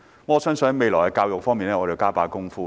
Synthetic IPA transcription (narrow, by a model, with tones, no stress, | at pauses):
m̩˥ɔː˨˧sœː˥ŋsɵ˧nhɐ˨˧jme˨˧jlɔː˨˩hɐ˨˧jkaː˧wjʊ˨k̚fɔː˥ŋmiː˨nɛː˥ŋɔː˨˧t͡se˨˧wkaː˥paː˧˩kʊ˥ŋfuː˥